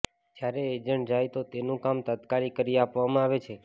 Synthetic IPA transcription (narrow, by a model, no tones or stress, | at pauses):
k̪jaɾeːd͡ʒəɳʈd͡ʒajt̪ot̪enũkamt̪ət̪kaɾikəɾiapʋamãaʋet͡ʃʰe